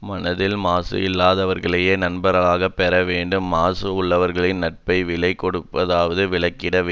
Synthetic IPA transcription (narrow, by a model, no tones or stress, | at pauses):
mɐnɐðɪlmaːsɯ̰ɪlːaːðɐʋɐɾɣɐɭɐjeːnɐnbɐɾɐɭaːɣɐpːɛɾɐʋeːɳɖɯmːaːsɯʊɭːɐʋɐɾɣɐɭɪnnɐʈ̚pɐɪʋɪɭɐɪkːɔɽɯpːɐðaːʋɐðɯʋɪɭɐɪkːɪɽɐʋ